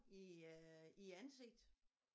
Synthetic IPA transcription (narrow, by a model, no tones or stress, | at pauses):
i | iænse̝ɡ̥̚d̥